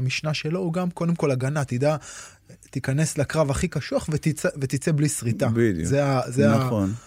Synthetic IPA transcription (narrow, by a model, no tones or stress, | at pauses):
amiʃnaʃe̞lo̞uɡamko̞d̪e̞mko̞laɡanat̪id̪a | t̪ikane̞slekʁavaχikaʃuaχvet̪it͡sevet̪it͡se̞blisʁit̪abid̰zeazeaaon